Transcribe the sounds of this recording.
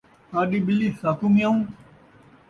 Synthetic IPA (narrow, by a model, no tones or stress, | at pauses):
kaːɗiɓɪlisaːkumjaũː